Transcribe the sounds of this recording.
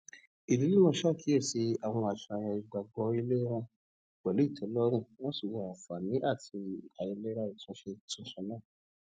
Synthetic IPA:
i˨li˨˦li˦mɔ̃˧˦ʃa˦˨ki˨˦e˦˨si˨˦a˦˨w̃ɔ̃˧a˨ʃa˨j̃ã˧i˨ɡ͡ba˨ɡ͡bɔ˧i˧le˦ɾ̃ã˧ | ɡ͡bɛ˨lu˨˦i˦˨tʰɛ˨˦lɔ˦ɾ̃ũ˦˨w̃ɔ̃˦su˦˨wɔ˧˨a˨fa˨nĩ˨˦ʔa˦˨tʰi˧a˨jɛ̃˧le˦ɾa˦i˨tũ˦ʃe˧tũ˧˦ʃã˧nãː˦˨

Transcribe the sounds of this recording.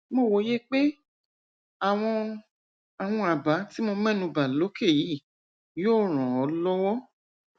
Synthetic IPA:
mo˦˨wo˨˦je˦k͡pe˦ | a˨w̃ɔ̃˧ | a˨w̃ɔ̃˧a˨ba˨˦ti˦mõ˧mɛ̃˦nũ˧ba˨lo˨˦kʰe˦˨ji˨˦˨ | joː˦˨ɾ̃ɔ̃˨ɔ˨˦lɔ˦wɔ˦

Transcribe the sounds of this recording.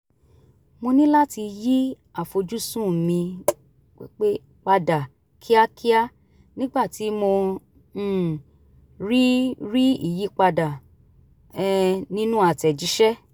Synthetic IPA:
mo˧nĩ˦la˦ti˧ji˦ | a˦˨fo˧d͡ʒu˦sũ˦˨mĩ˧ | wḭ˦k͡pe˦ | k͡pa˧da˨ | kʰi˦a˦kʰi˦a˦ | nĩ˦ɡ͡ba˦˨ti˨˦mo˧˦˨ | ɾi˦ɾi˦ḭ˦˨ji˨˦k͡pa˧da˨ | ɛ˧nĩ˦nũ˦a˦˨tɛ˨d͡ʒi˨˦ʃɛ˦

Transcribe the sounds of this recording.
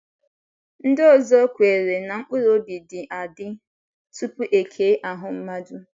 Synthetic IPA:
n̩˦do˦˨zɔ˦kʷe˨ɾe˨na˨ŋ͡m̩˦k͡pʊ˦ɾo˦bi˨dɪ˨ʔa˨dɪ˦ | tu˦pu˦ʔe˨kʰe˨˦ʔa˨ɦʊ˨m̩˦ma˦dʊ˦

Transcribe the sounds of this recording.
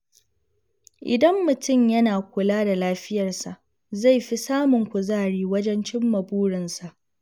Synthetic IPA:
ʔɪ̰˨dɐ˦mːʊ˨tʊ˦˨mjɐ˦naː˨kʷʊ˨laː˦da˨laː˦ɸɪ˦jɐ˨rsa˨ʔ | za˦˨jɸi˦saː˦mʊ˨ŋkʷʊ˨zaː˦˨ɽiː˦wɐ˦d͡ʒɛ˦nt͡ʃɪ˦mːɐ˨buː˦ɽɪ˨nsa˨ʔ

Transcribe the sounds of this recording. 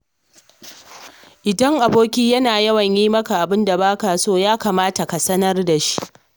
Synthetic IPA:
ʔɪ˨dɐ˦ŋʔa˨boː˦kʲiː˦jɐ˦naː˨jɐ˦wɐ˨ɲjiː˦mɐ˦ka˨ʔa˨bɪ˦nda˨baː˦ka˨soː˦jaː˦kaː˨maː˦ta˨ka˨sɐ˦nɐ˦rda˨ʃi̥˦ʔ

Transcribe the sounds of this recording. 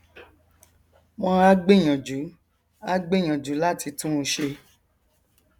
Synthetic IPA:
mɔ̃˧a˦ɡ͡be˦˨j̃ɔ̃˨d͡ʒu˨˦ | a˦ɡ͡be˦˨j̃ɔ̃˨d͡ʒu˨˦la˦˨ti˧tũ˦˧ʃe˧

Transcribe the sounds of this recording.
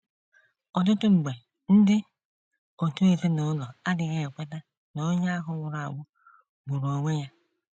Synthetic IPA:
ɔ˨t̬ʊ˦tʊ˦ŋ͡m̩˨ɡ͡be˨ | n̩˦dɪ˦ | o˨tu˦e˨ze˦no˨˦lɔ˨a˦dɪ˨ɣe˦e˨k͡pe˦da˦ | no˦ɲa˦ɦʊ˦ŋʷʊ˨ɾa˨ŋʷʊ˦ | ɡ͡bu˨ɾo˨ŋʷe˦ja˦

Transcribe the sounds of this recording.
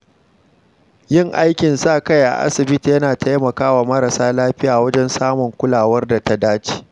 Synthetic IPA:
jɪ˦˨ŋʔa˦jkʲɪ˨nsaː˦˨kɐ˦jʔa̰˨ʔa̰˦sɪ˨bɪ˦ti˨jɐ˦naː˨tʰa˦jmɐ˨kaː˦waː˨mɐ˦ɾa˨saː˦laː˦ɸɪ˦jaː˨wɐ˦d͡ʒɛ˦nsaː˦mʊ˨ŋkʷʊ˦laː˨wɐ˦rda˨ta˦daː˦t͡ʃi̥ː˨

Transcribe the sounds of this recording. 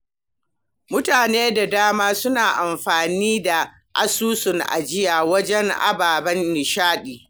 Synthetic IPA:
mʊ˦taː˨neː˦da˨daː˦maː˦sʊ˦naː˨ʔa˨mɸaː˨niː˦da˨ | ʔa̰˦suː˦sʊ˨ŋʔa̰˨d͡ʒɪ˦jaː˨wɐ˦d͡ʒɛ˦ŋʔa̰˦baː˨bɐ˦nːɪ˨ʃaː˦ɗiː˨

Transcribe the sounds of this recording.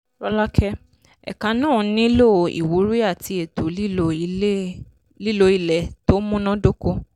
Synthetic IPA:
ɾɔ˧la˦kʰɛ˦ | ɛ̰˨kã˧˦nã˦˨˧nĩ˦lo˦˨o˨ʔḭ˨wu˨˦ɾi˦a˦˨ti˧e˨to˨li˦lo˦˨i˨e˦ | li˦˨lo˧˦i˦˨lɛ˨to˦mũ˦nã˦do˦ko˦

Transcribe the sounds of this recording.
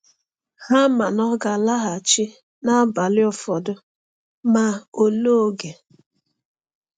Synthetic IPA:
ha˦ma˨nɔ˦ɡa˨la˦ɦa˨t͡ʃɪ˦ | na˦ba˨lɪ˦ɔ˦fɔ˨dʊ˦ | ma˨o˨lo˦o˨ɡe˨

